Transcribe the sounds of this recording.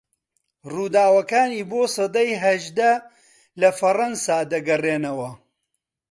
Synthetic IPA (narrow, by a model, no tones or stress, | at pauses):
ruːd̪aːwɐkaːniːboːsɨd̪ɐjɦɐʒd̪ɐ | lɐfɐrɐnsaːd̪ɐɡɐreːnɐwɐ